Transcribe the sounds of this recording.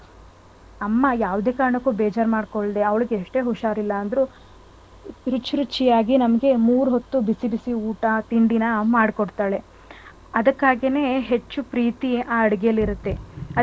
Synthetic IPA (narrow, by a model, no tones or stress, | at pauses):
ɐmːɐjaːʋd̪e̞ːkaːɾɐɳɐkːuːbeːd͡ʒaːɾmaːɖkoɭd̪e̞ɐʋɐɭiɡeeʂʈe̞ːɦuʂaːɾilːɐːnd̪ɾu | ɾut͡ʃːɾut͡ʃːijaːɡinɐmɐɡe̞muːɾuɦot̪ːubisibisiuːʈɐt̪iɳɖinɐmaːɽkoɽt̪aːɭe̞ | ɐd̪ɐkːaːɡene̞ːɦe̞t͡ʃːupɾiːt̪iaːɐɽiɡejɐlːiɾut̪ːe̞ɐ